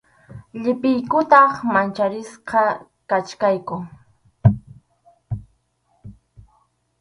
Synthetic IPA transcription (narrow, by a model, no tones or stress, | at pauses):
ʎɪpɪjkʊt̪ɑχmant͡ʃaɾɪsqɑ | kat͡ʃkajkʊ